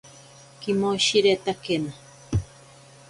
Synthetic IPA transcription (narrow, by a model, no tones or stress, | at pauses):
kimoʃiɾet̪akena